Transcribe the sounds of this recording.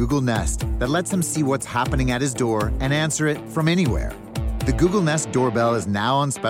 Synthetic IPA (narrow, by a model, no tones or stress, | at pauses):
uɡl̩ˠnɛsðɨtˡlɛtshɨ̃msiwʌtshæpɨnɪ̃ŋɨt̚hɨzdɔɹɨ̃næ̃nsə˞ɨtfɹʌ̃mɛñiwɛ̰ɹ | ðɨɡuɡl̩ˠnɛsd̥ɔɹbɛlˠɨznaʊə̃nspɛ